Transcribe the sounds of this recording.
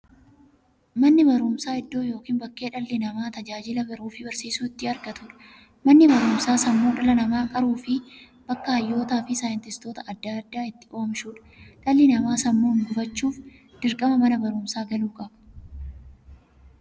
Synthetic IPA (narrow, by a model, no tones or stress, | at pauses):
mɐnːɪbɐɾuːmsaːɪd̪ːo̞ːjo̞ːkiːnbɐkːe̞ːᶑɐlːɪnɐmaːt̪ɐd͡ʒaːd͡ʒɪlɐbɐɾuːfɪbɐɾsiːsuːɪt̪ːɪɐɾɡɐt̪ʊᶑɐ̥ | mɐnːɪbɐɾʊːmsaːsɐmːoːnᶑɐlɐnɐmaːkʼɐɾuːfɪ | b̥ɐkːɐhɐjːo̞ːt̪aːfɪsaːjɪnt̪ɪst̪o̞ːt̪ɐʔɐd̪ːaɐd̪ːaːɪt̪ːɪʔo̞ːmʃuːᶑɐ̥ | ᶑɐlːɪnɐmaːsɐmːoːŋɡʊfɐt͡ʃːuːf | d̪̥ɪɾkʼɐmɐmɐnɐbɐɾuːmsaːɡɐluːkʼɐbɐ̥